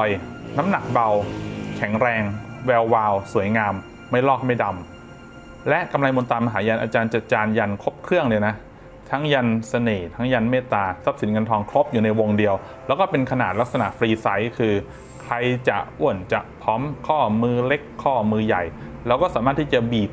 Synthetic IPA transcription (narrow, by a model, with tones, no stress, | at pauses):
ɔː˧jna˦˥mna˨˩k̚ba˧wkʰɛ˩˦ŋɾɛː˧ŋwɛː˧wːaː˧wsu˩˦əjŋaː˧mː | a˥˩jlɔː˥˩k̚ma˥˩jda˧m | lɛ˦˥ʔka˧mla˧jmo˧nt̪aː˧ma˧ɦaː˩˦ja˧nʔaː˧t͡ɕaː˧nt͡ɕa˨˩t͡ɕaː˧nja˧nkʰo˦˥p̚kʰɾɯ˥˩əŋlɯ˧jna˦˥ | t̪ʰa˦˥ŋja˧nsa˧neː˨˩t̪ʰa˦˥ŋja˧nmeː˥˩t̪aː˧sa˦˥p̚si˩˦nŋa˧nt̪ʰɔː˧ŋkʰɾo˦˥p̚juː˨˩na˧jwo˧ŋdi˧əw | lɛː˦˥wkɔː˥˩pe˧nkʰa˧naː˨˩t̪̚la˦˥k̚sa˧na̰˨˩ʔfɾiː˧sa˦˥jkʰɯː˧ | kʰɾa˧jt͡ɕa˨˩ʔu˨˩ənt͡ɕa̰˨˩ʔpʰɔː˦˥mkʰɔː˥˩mɯː˧le˦˥kʰːɔː˥˩mɯː˧ja˨˩jlɛː˦˥wkɔː˥˩saː˩˦maː˥˩t̪ʰi˥˩t͡ɕa˨˩biː˨˩p̚